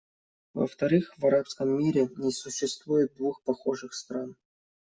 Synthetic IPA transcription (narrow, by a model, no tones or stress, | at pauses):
və̰ft̪ɐɾɨxvɐɾapskəmːʲiɾʲɪnʲɪsʊɕːɪst̪vujɪt̪̚d̪vuxpɐxo̞ʐɨxst̪ɾan